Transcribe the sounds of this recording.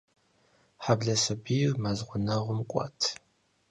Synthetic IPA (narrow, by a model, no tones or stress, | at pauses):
ħabɮɐsɐbirmazʁʷʊnɐʁʷʊmkʷʼɑ̰tʰ